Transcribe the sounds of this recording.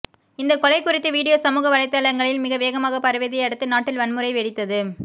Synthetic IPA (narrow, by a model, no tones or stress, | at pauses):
ɪnd̪ɐkɔlɐɪkːʊɾɪt̪ːɯʋiːɽɪjoːsɐmuːɣɐʋɐɻɐɪt̪ːɐlɐɾŋɡɐɭɪlmɪɣɐʋeːɣɐmaːɣɐpɐɾʋeːðɪjɐɛɽɐt̪ːɯnaːʈːɪlʋɐnmɯɾɐɪʋɛɽɪt̪ːɐðɯ